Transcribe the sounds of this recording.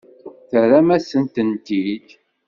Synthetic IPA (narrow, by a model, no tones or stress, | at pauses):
θəɾæmæsənt̪ənt̪id̪